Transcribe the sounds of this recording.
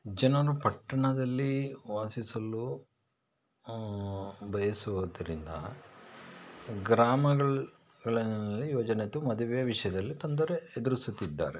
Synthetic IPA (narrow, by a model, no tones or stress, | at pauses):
d͡ʒɐnɐɾupɐʈːɐɳɐd̪ɐlːiʋaːsisɐlu | bʱɐjɐsuʋud̪ɐɾind̪ɐ̰ | ɡɾaːmɐɡɐɭɡɐɭɐnlːijoːd͡ʒɐnet̪ːumɐd̪ɐʋɛjɐʋiʂɐjɐd̪ɐlːit̪ond̪ɐɾeːd̪uɾusut̪ːid̪ːa̰ːɾe